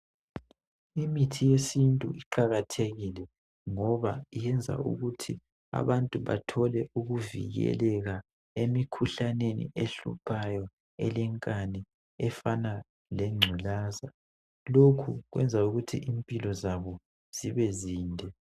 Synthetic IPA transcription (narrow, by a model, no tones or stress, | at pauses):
imitʰijesintʼṵʔiǃaɣatʰeɣilɛ | ŋɔβaijɛnd͡zʱa̰ṵɣutʰi | a̰βantʼuβa̰tʰɔlɛuɣuvḭɣɛ̰lɛɣa | emikʰuɬanenḭʔeɬṵpʰajɔ | ɛlɛŋkʼanɛ | ɛfana | lɛŋ͡ǀʱulaːza | lokʰuɣwɛnd͡zʱauɣutʰḭʔimpʼilɔzaβɔ | z̥iβɛziːndʱɛ